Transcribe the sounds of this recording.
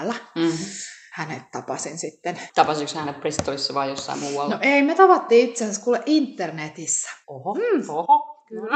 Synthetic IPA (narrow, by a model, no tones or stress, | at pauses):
lːæ | hænet̪t̪ɑpɑsinsit̪ːent̪ɑpɑsikshænepprist̪ːoisːɑʋɑːjjosːɑ̰ḭmuːɑlnoʔeimet̪ɑpɑt̪ːiːit̪sesæskuːlːeʔint̪ːernet̪isːæ̥ohoh